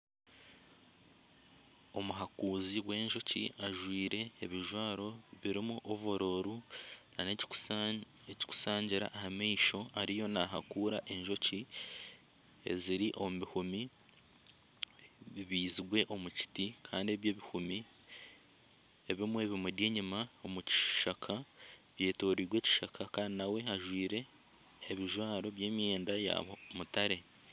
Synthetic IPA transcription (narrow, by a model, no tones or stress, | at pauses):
o̞muɦakuːziɡwe̞ːɲʒo̞cḭaʒwiːɾe̞ːβiʒwaːɾo̞βiɾimuʔoβoɾo̞ːɾuna̰ne | eci̥ku̥saːɲɟiɾa̰ʔːhamiːʃo̞aɾijo̞naɦakuːɾaʔe̞ɲʒo̞ci | e̞̰ziɾiʔo̞muihumi | βiβiːziɡwe̞ʔo̞muci̥tikʰaːndie̞βje̞ːβihumi | e̞βimwe̞ːβimudjeːɲimaomuci̥ʃakʰa | βje̞ːto̞ːɾiɡwe̞ːci̥ʃakʰakaːndinawe̞ɦaʒwiːɾe̞ː | βiʒwaːɾo̞βjeːmieːndaja̰omutaɾe̞